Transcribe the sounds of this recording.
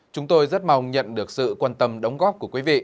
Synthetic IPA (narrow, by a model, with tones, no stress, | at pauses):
t͡ɕʊ˨˦ŋ͡mt̪o˧jzə˦˥t̚ma˨˧˩wŋ͡mɲə̰˧˨nɗɨ˨˩ək̚sɨ̰˧˨kwaː˧nt̪ə˧mɗə˨˦wŋ͡mɣɔː˦˥p̚ku˧˩əkwi˨˦vḭ˧˨